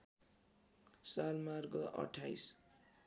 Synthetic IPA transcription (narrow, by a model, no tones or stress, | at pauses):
salmarɡʌʔʌ̰ʈʰːajs